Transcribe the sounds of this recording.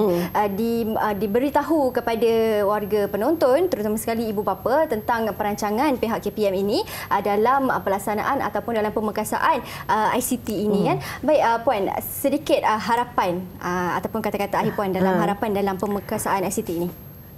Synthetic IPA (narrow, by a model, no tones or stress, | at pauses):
ədiədibəɾit̪aɦukəpadawarɡapənont̪ɔnt̪əɾut̪amasə̥kaliːbubapat̪ənt̪aŋpəɾaɲt͡ʃaŋãnpeɦaʔkːepiɛminĩʔədalaməpəlaksana̰ʔana̰t̪awpʊndalampəməkasa̰ʔanʔəajsit̪iːnĩkanbaɪʔəpuansədikɪt̪̚əɦaɾapanəa̰t̪awpʊnkat̪akat̪aaɦiʔpuandalamɦaɾapandalampəməkasaanajsit̪iːni